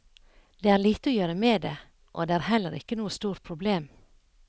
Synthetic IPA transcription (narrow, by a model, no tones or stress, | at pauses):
d̪̥eːæːɾɭiːt̪əoːjøːɾəmeːd̪eː | ʔo̰ːd̪eːæːɾhɛlːəɾɪ̰kːənuːəst̪uːɾ̚pʰɾʊbleːm